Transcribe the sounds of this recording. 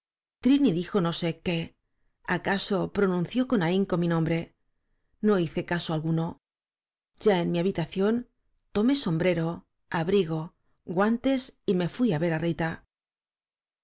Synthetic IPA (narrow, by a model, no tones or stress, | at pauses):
t̪ɾiniðixo̞no̞se̞ke̞ | akaso̞pɾo̞nũnθjo̞ko̞naiŋko̞minõ̞mbɾe̞ | no̞iθe̞kasoalɣuno̞ | ɟ͡ʝaenmiaβit̪aθjo̞n | t̪o̞me̞so̞mbɾe̞ɾo̞ | aβɾiɣ̞o̞ | ɣwant̪e̞sime̞fwiaβe̞ɾarit̪a